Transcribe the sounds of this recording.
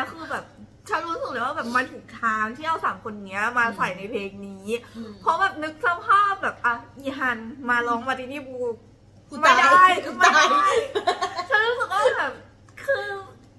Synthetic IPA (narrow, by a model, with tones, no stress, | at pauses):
ɛ˧˥kʰɯː˧bɛː˨˩p̚ | t͡ɕʰa˧˩ɾuː˦˥sk̚lɯː˩˦waː˥˩bɛː˨˩p̚ma˧nt̪ʰuː˨˩k̚t̪ʰaː˨˦˥ŋt̪ʰiː˥˩ʔa˧˥˩wsaː˨˩˦mkʰo˧n˨ni˦˥ɐmaː˧sa˨˩jna˧jpʰeː˧ŋniː˨˦˥pʰɔ˦˥bɛː˨˩p̚nɯ˦˥k̚sa˧˩pʰaː˥˩p̚bɛː˨˩p̚ʔaː˧˩ʔiː˧˩ɦa˧nmaː˧lɔː˧ŋmaː˧t̪ʰiː˧niː˦˥˩buː˧ | ma˥˩da˥˩jma˥˩da˥˩jt͡ɕʰa˥˩ɾuː˦˥sɯ˨˩k̚waː˥˩bɛː˨˩p̚ | kʰɯː˧